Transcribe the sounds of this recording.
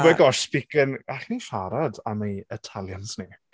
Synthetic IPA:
bɛɡɔʃspɪkənaɬniʃaɾadamejətʰalˠjansni

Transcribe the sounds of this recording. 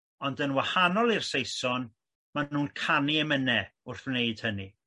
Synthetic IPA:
ɔndənwahanɔlˠirsejsɔn | manuːnkʰaniɛmənɛʊrθneɨd̥həni

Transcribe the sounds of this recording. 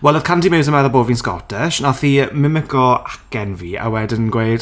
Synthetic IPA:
wɛlˠəð̥kʰantʰimɪwzəmɛðɔboːviːnskɔ̰tʰɛʃnaθiːmɪmɪkɔakɛnviːa̰wɛdənɡwejd̥

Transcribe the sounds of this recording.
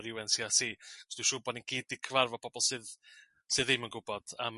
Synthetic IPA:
ɾjɪwɛnsiasiːɔsd̥uʃʊːbɔninɡ̥ʰiːdikʰəvarvɔpʰɔbɔlˠsɨð | sɨðɪmənɡʊbɔd̥am

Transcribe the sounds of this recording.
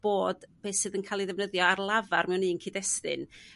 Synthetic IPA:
b̥oːd̥b̥eːsɨðənkʰaːlˠiðɛvnəðjɔarlˠavarmɛwnːiːənkʰiːdɛstɨ̰n

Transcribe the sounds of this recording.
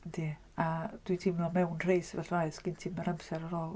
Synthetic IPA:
dʰi | ad̥witʰimnɔmɛwnr̥ejsvɛɬraɨθɡ̥ɪntʰiməɾamsɛɾaɾɔːlˠ

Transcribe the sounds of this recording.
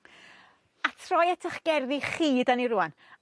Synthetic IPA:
atʰrɔjɛtʰaχɡ̥ɛrðiχiːdaniɾuan

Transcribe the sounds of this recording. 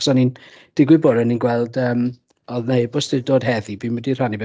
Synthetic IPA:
sɔnin | d̥ɪɡwɪbɔɾəninɡwɛlˠdəːm | ɔðneɨbʊsdɪdoːd̥ɦɛðibiːnmədir̥anib

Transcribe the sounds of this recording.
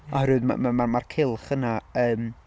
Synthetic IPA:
ɔhɾɨɨðma̰mamamarkʰɪlˠχənaəːm

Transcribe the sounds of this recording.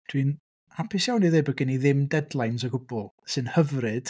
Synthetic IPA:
d̥ʰwin | apʰɪsjawniðebəɡəniðɪmdɛdlˠajnsəɡʊbɔlˠsɨnhəvrɨd̥

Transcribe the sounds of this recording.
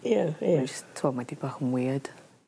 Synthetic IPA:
jaad͡ʒəstʰːɔmadibaχəmwiːəd̥

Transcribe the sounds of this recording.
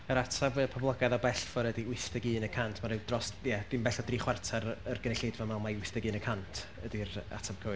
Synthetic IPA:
əɾatʰabɨpʰɔblˠaɡaðɔbɛɬfɔɾədiwɪstəɡɨːnəkʰantʰmaɾɪwdrɔsjɛd̥ɪmbɛɬɔdriːχwartʰaɾərɡ̥ənɛɬeːdvamalˠmawɪstəɡɨːnəkʰantʰədira̰tʰab̥̚kʰəwɨ

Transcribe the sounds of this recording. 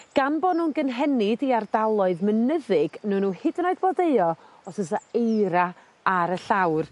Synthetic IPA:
ɡ̥anbodnuːnɡənɦɛnɪdiardalˠɔɨðmənəðɪɡ̥nuːnuːhɪdnɔɨðbodeɨɔ | ɔsəsaejɾa | aɾəɬawr

